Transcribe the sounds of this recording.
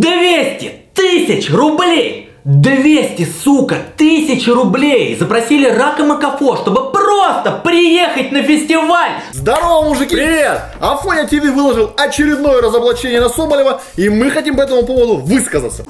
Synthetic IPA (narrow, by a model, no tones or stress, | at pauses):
d̪vʲesʲtʲɪt̪ɨsʲɪt͡ɕrʊblʲej | d̪vʲesʲtʲɪsukət̪ɨsʲɪt͡ɕrʊblʲejzəpɾɐsʲilʲɪrakəməkɐfoʂt̪o̞bɨprost̪əpɾʲɪjexət̚ʲnəfʲɪsʲtʲɪvalʲzd̪ɐɾovəmːʊʐɨkʲiɾʲɪvʲet̪ | ɐfonʲɐtʲɪvʲivɨlˠɐʐɨlˠɐt͡ɕɪɾʲɪd̪no̞jəɾəzəblˠɐt͡ɕenʲɪjənɐsobəlʲɪvə | imɨxɐtʲimpɐɛt̪əmʊpo̞vvəd̪ʊvɨskəzə̰t̪sə̥